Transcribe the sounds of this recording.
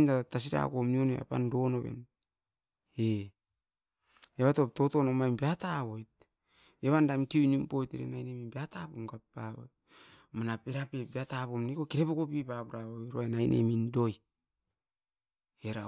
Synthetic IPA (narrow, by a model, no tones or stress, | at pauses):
natas̬iɾa̰komnionḛa̰pa̰ndo̞noβe̞̰n | e | eβato̞p̚totonomajmbiataβojt̚ | eβandamkiujnimpo̞jteɾḛnajneminbiatapomɡappaβojt | manapeɾapebiatapomnikokiɾepokopipapuɾaβoɾoaenajnʔḛmindoj | eɾa